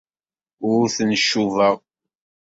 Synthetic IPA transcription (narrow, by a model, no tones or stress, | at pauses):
ʊɾʊɾθənʃːuvəʁ